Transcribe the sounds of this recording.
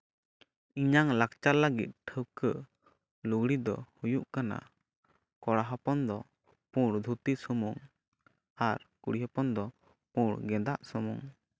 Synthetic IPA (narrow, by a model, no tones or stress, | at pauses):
iɲaŋlakt͡ʃaləɡḭt̪̚ʈʰəwkəʔ | luɡɽid̪ɔ̰hujuʔkana̰ | kɔɽaɦɔpɔnd̪ɔ | pũɽd̪ʱut̪isɔmuŋ | aɾkuɽiɦɔpɔnd̪ɔ | puɽɡɛd̪aʔsɔmṵŋ